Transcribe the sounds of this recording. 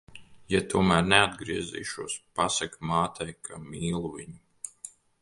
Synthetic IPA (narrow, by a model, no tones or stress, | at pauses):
jat̪uɔmæːɾnɛad̪ɡɾiɛzḭːʃuɔspasakmaːt̪ʰɛjkʰamiːlˠuviɲu